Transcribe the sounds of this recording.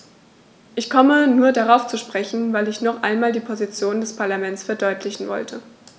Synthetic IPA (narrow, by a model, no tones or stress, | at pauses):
ʔɪçkʰɔmənuːɐdaʁaʊft͡suʃpʁ̥ɛçn̩vaɪlɪçnɔχʔa̰ɪnmaːldiːpʰozit͡sjoːnndɛspʰaɐlamɛnt͡sfɛɐdɔʏtʰlɪçn̩vɔ̰ltʰə